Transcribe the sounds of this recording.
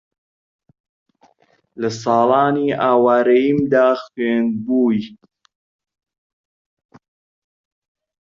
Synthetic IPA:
lɐs̬ɑːlɑːniːʔaːwaːɾɐjimd̪aːxweːnbuːj

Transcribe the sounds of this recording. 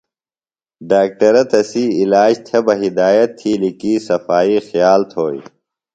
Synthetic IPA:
ɖaːk̚ʈɐɾɐt̪ɐsiːlaːd͡ʑt̪ʰebɐɦid̪aːjɐt̪ʰːiːlikiːsɐfaːixjaːlt̪ʰoːj

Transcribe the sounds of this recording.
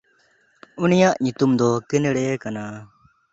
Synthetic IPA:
unijaʔɲut̪umd̪ɔkinɽɛkana

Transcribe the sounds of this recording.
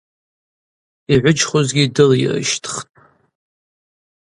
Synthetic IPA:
iʕʷʊt͡ʃχʊzɡʲidɨlirɨ̰ʃtʰχtʼ

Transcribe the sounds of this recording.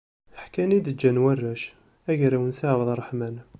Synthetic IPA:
əħkænid̪əd͡ʒːænwærːæʃ | æʝɾæwənsaʕwðˤɑrˤːəħmæn

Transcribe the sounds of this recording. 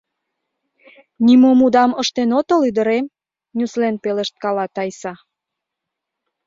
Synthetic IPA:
nimomud̪ɑməʃt̪enot̪olyd̪əɾem | nʲuslenpeleʃt̪̚kɑlɑt̪ɑjsɑ

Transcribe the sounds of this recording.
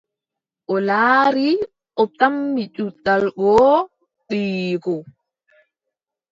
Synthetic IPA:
ʔɔlaːɾi | ʔɔtamːit͡ʃutːalɡɔː | ɗiːkɔ

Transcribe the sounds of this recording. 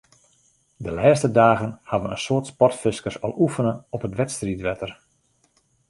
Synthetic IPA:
dəlɛːstədaːɣənhadʋənənsʊətspɔtfɪskərsɔ̰lˠufənəɔpətʋɛtstritʋɛtər

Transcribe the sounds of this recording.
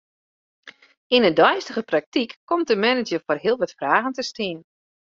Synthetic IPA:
inədɔjstəɣəprak̚tikːɔmtəmɛnəd͡ʒəforɦiəlˠʋɔtfraːɣəntəstiən

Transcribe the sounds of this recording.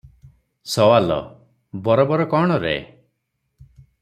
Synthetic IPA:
sɔwalɔ̰ | bɔɾɔbɔɾɔkɔɽ̃ɔɾḛ

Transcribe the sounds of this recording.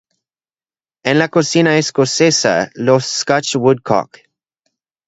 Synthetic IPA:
ɛ̃nlakosinaeskosesa̰losskat͡ʃwʊd̚kʰɔ̰k

